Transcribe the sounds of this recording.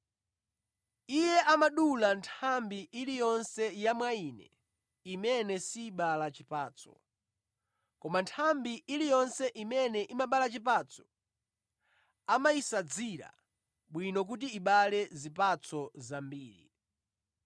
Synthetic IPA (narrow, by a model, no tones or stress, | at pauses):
ijɛʔamaɗulantʰambiʔiɾijɔnsɛjamwainɛ̰ | imɛnɛsiːɓalat͡ʃipaːt͡sɔ̥̰ | kɔmantʰambiʔiɾijɔnsɛʔimɛnɛʔimaɓalat͡ʃip̬at͡sʰɔ̥ | amaisad͡ziɾa̰ | ɓwinɔk̬ut̬iiɓalɛzip̬at͡sʰɔzambiːɾḭ